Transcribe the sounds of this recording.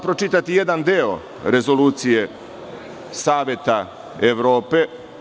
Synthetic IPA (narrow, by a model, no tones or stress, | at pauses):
pɾot͡ʃit̪at̪ije̞d̪and̪eo̰ | ɾe̞zo̞luːt̪sije̞ | saːʋjet̪a | eʋɾo̞ːpe̞